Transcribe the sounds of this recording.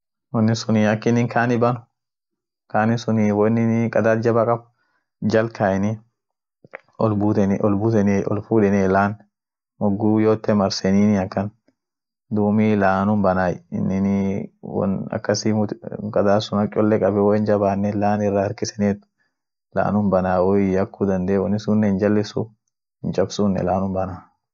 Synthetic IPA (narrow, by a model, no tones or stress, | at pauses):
wɔnːɪsʊniɐkːɪnːɪŋkʰaːnɪbɐnʊ̥ | kaːnɪsʊniwɔnːɪnkʼɐd̪aːt̪d͡ʒɐbɐkʼɐb | d͡ʒɐlkʰaɪnɪ | ɔlbut̪ɛʔɔlbut̪ɛnɛʔɔ̰lfuːᶑɛnɛlaːn | mɔɡːujoːt̪ːɛmɐɾsɛniːnɪɐkːɐn | d̪uːmilaːnʊmbɐnaːjɪ̰nːɪnɪwɔ̰nɐ̰kːɐsimʊkʼɐd̪aːsʊnɐt͡ʃʼɔlːɛkʼɐbɛwohɪnd͡ʒɐbaːnːɛlaːnɪrːaɐɾkɪsɛnet̪ | la̰ːnʊmbɐnaːwɔjɐkːud̪ɐnd̪eːwɔnːɪsunːɛɪnd͡ʒɐlːɛsʊ | ɪnt͡ʃʼɐbsunːɛ̰laːnʊmbɐna